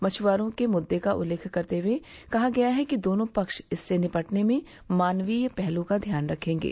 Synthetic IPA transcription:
mɐt͡ʃʰʋaːɾõkemʊd̪ːekaʔʊ̰lːeːkʰkɐɾt̪eʋekɐɦaɡɐjaɦɛkid̪oːnõpɐkʃɪsːenɪpəʈnemẽ | maːnʋijpɛɦlũkad̪ʱjaːnɾɐkʰẽːŋɡḛː

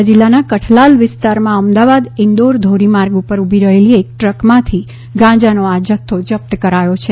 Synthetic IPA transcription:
d͡ʒɪlːanakəʈʰlalʋɪst̪aɾmãəmd̪aʋad̪ɪnd̪oɾd̪ʱoɾimaɾɡupəɾubʱiɾəɦeliek̚ʈɾəkmãt̪ʰi | ɡãd͡ʒanoad͡ʒət̪ʰːod͡ʒəp̚t̪əkəɾajot͡ʃʰe

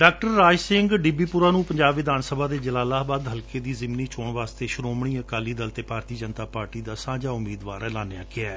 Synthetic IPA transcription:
ɖaːk̚ʈəɾːaːd͡ʒsɪŋɡɖibiːpʊɾaːnũːpəɲd͡ʒaːbʋɪd̪aːnsəbʱaːd̪eːd͡ʒəlaːlaːbaːd̪ɦəlkeːd̪iːzɪmniːt͡ʃʰoːɳʋaːst̪eːʃʊɾoːmɳiːəkaːliːd̪əlt̪eːpaːɾt̪iːd͡ʒənt̪aːpaːɾʈiːd̪aːsãːd͡ʒaːʊmːiːd̪ʋaːɾɛːlaːneaːkɪɛː

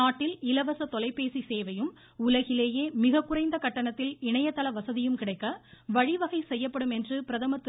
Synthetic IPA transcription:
aːʈːɪlɪlɐʋɐsɐt̪ɔlɐɪpːeːsiseːʋɐjɯm | ʊlɐɣɪleːjeːmɪɣɐkːʊrɐɪnd̪ɐkɐʈːɐɳɐt̪ːɪlɪɳɐjɐt̪ːɐlɐʋɐsɐðɪjɯmkɪɽɐɪkːɐʋɐɻɪʋɐɣɐɪsɛjːɐpːɐɽɯmɛndrɯpɪɾɐðɐmɐt̪ː

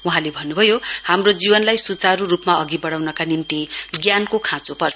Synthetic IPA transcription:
uɦãlebʱʌnːubʱʌjohamrod͡zibʌnlajsut͡saɾurupmaʌɡibʌɽawnʌkanimt̪iɡjankokʰãt͡sopʌrt͡sʰ

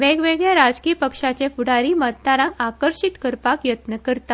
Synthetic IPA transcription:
ʋeɡʋeɡɭjaɾad͡zkiːpəkʂat͡ɕefuɽaɾiːmət̪ːaɾãŋkakəɾʂit̪kəɾpakjət̪nəkəɾt̪a

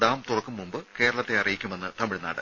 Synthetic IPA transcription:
ɽaːmt̪urɐkːumːumbɨke̞ːɾɐɭɐt̪ːe̞ɐrɐjikʲːume̞nːɨt̪ɐmɪɻna̰ːɽɨ̰

